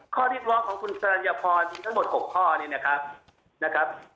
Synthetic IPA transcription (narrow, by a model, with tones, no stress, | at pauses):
kʰɔː˥˩ɾiː˦˥˩p̪̚ɾɔː˦˥kʰɔː˩˦ŋkʰu˧nsa˧a˧jaː˧pʰɔː˧nʰiː˧t̪ʰa˦˥mo˨˩t̪̚ho˨˩kʰːɔː˥˩ni˥˩ɐna˦˥kʰɾa˦˥p̚ | na˦˥kʰɾa˦˥p̚